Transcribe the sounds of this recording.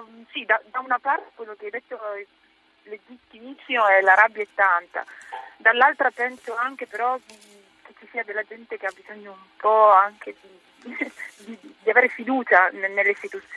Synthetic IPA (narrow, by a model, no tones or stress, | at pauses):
sid̪ad̪aunapart̪e̥kwelːokeajd̪et̪ːo | led͡ʒit̪ːimit͡ʃioɛlaɾabːjaɛt̪ːant̪a̰d̪alːalt̪ɾapɛnsoaŋk̟epeɾɔd̪i | ket͡ʃːisiad̪elːad͡ʒɛnt̪ek̟eabːizoɲːoumpɔaŋkʰed̪i | d̪id̪iaveːɾefid̪uːt͡ʃannelːeist̪it̪ut̪sːj